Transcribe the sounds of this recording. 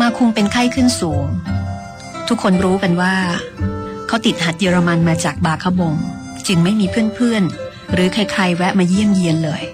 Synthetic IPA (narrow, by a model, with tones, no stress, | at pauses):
maː˧kʰu˧ŋpe˧nkʰa˥˩jkʰɯ˥˩nsuː˩˦ŋ | t̪ʰu˦˥kʰːo˧nɾuː˦˥ka˧nwaː˥˩ | kʰa˦˥wt̪i˨˩t̪̚ha˨˩t̪̚jəː˧ɾa˧ma˧nmaː˧t͡ɕaː˨˩k̚baː˧kʰa˦˥wbo˧ŋ | t͡ɕɯ˧ŋma˥˩jmiː˧pʰɯ˥˩ənpʰɯ˥˩ən | ɾɯː˩˦kʰa˧jkʰa˧jwɛ˦˥ʔmaː˧ji˥˩əmji˧ənlɤː˧j